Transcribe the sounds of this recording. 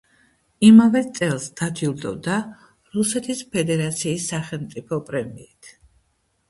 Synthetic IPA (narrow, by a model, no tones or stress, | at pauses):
imavɛt̪sʼɛlˠsd̪̥ad̪ilˠd̪ɔvd̪a | ɾusɛt̪ʰispʰɛd̪ɛɾat̪sʰiːsːaχɛlˠmt̪sʼipʰɔpʼɾɛmiːt̪ʰ